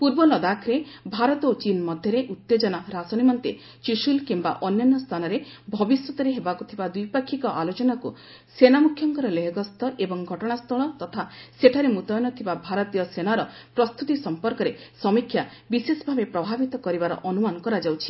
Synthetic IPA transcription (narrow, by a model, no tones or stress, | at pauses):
puɾbɔlɔd̪akʰɾebʱaɾɔt̪ot͡ʃinmɔd̪ʱjɔɾeʔut̪ːed͡ʒɔnaɾasɔnimɔnt̪e | t͡ʃisulkimba̰ʔɔnjɔnːɔst̪ʰanɔɾebʱɔbiswɔt̪ɔɾeɦebakut̪ʰibad̪ujpakʰːikɔʔalot͡ʃɔnaku | senamukʰjɔŋkɔɾɔleɦɔɡɔst̪ʰɔʔebɔŋɡʱɔʈɔɽ̃ast̪ʰɔɭɔt̪ɔt̪ʰaseʈʰaɾemut̪ɔjnɔt̪ʰibabʱaɾɔt̪ijɔsenaɾɔpɾɔst̪ut̪isɔmpɔɾkɔɾesɔmikʰːjabisesɔbʱabepɾɔbʱabit̪ɔkɔɾibaɾɔ̰ʔɔnumanɔkɔɾad͡ʒawt͡ʃʰi̥